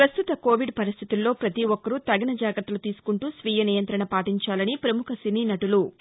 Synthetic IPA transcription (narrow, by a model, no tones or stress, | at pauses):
pɾɐst̪ut̪ɐko̞ːʋiɖpɐɾist̪ʰit̪ulːo̞ːpɾɐt̪iʋɔkːɐɾut̪ɐɡɐnɐd͡ʒaːɡɾt̪ːɐlut̪iːsu̥kuɳʈuːsʋiːjɐniːjɐnt̪ɾɐɳɐpaːʈiɲt͡ʃaːlɐnipɾɐmukʰɐsiniːnɐʈulu